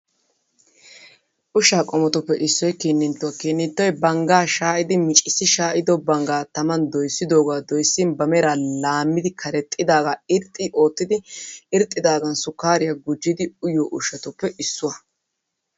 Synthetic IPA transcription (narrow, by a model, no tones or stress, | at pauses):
ʔʊʃaːkʼɔmɔt̪ʊpːɛʔɪsːɔjkiːnːɪnt̪ːɔwɐkiːnːɪnt̪ːɔjbɐŋɡaːʃaːʔɪd̪ɪmɪt͡ʃʼɪsːɪʃaːʔɪd̪ɔbɐŋɡaːt̪ɐmɐnd̪ɔjsːɪd̪oːɡaːd̪ɔjsːɪnbɐmɛɾaːlaːmːɪd̪ɪkʰɐɾɛt̪ʼːɪd̪aːɡaɪɾt̪ʼːɪʔo̞ːt̪ːɪd̪ɪɪɾt̪ʼːɪd̪aːɡɐnsʊkːaːɾɪjaɡʊd͡ʒːɪd̪ɪʊjɔʔʊʃɐt̪ʊpːɛʔɪsːʊwɐ